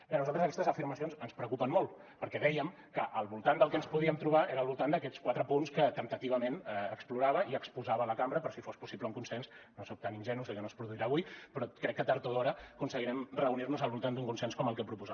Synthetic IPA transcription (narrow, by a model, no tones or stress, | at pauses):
bɛnuzalˠt̪əzəkɛst̪əzəfiɾməsionzənspɾəkupənmolˠ | pəɾkɛðɛjəm | kəʔəlˠβulˠt̪and̪əlˠkɛənspuðiəmt̪ɾuβ̞aʔeɾəːlˠβulˠt̪and̪əkɛt͡skwat̪ɾəpunskət̪ənt̪ət̪iβəmenəkspluɾaβəiəkspuzaβələkambəɾəpɾɔsifospusiβləuŋkunsɛnsnosok̚t̪aninʲʒɛnuzekənospɾuðuiɾaːβuipɾɔkɾɛkːət̪aɾt̪oðɔɾəkunsəɣiɾɛmrəunirnuzəlˠβulˠt̪and̪uŋkunsɛnskɔməlˠkɛpɾupuza